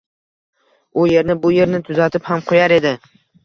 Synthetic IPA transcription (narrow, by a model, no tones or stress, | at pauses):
ʊje̞ɾnɪbʊje̞ɾnɪt̪ʰʊzat̪ʰɪphamqʰojaɾe̞d̪ɪ